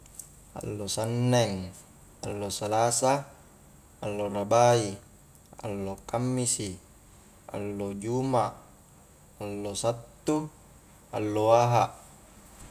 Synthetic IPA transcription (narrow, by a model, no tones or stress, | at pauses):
a̰lːosanːɛŋ | alːosalaːsaː | lːorabai | a̰lːokamːisi | a̰lːod͡ʒumaʔ | alːosat̪ːu | a̰lːoaːɦaʔ